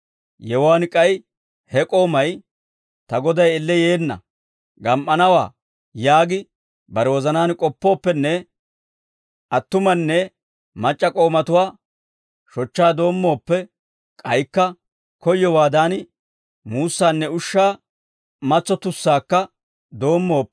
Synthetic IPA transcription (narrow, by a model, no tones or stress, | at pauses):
jɛwaːnkʼɐj | hɛkʼo̞ːmɐj | t̪ɐɡɔd̪ɐjɪlːɛjeːnːɐ̰ | ɡɐmʔɐnɐwa̰ː | jaːɡɪ | bɐɾɛwɔzɐnaːnkʼɔpːo̞ːpːɛnːɛ | ʔɐt̪ːʊmɐnːɛ | mɐt͡ʃʼːɐkʼo̞ːmɐt̪ʊwaː | ʃɔt͡ʃːaːd̪o̞ːmːo̞ːpːɛ | kʼɐjkːɐ | kɔjːɔwaːd̪aːnɪ | muːsːaːnːɛʊʃːaː | mɐt͡sːɔt̪ʊsːaːkːɐ | d̪o̞ːmːo̞ːpː